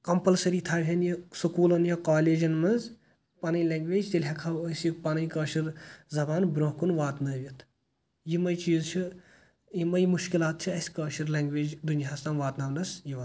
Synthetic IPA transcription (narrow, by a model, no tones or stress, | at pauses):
kɐmpɐlsɐɾiːt̪ʰaːʋʲɦɐnjisukuːlɐnjɐkaːleːd͡ʒɐnmɐz | pɐnɨjleːŋɡʋeːd͡ʒt̪ilʲɦɐkʰawəsjikpɐnɨjkɐːʃɐɾzɐbaːnbɾoɦkunʋaːt̪nɐːʋʲit̪ʰ | jimɐjt͡ʃiːzt͡ʃʰi | jimɐjmuʃkilaːt̪̚t͡ʃʰiɐsʲkɐːʃɐɾlɐŋɡʋeːd͡ʒd̪unjaɦast̪ɐnʋaːt̪naːʋnɐsjiʋɐ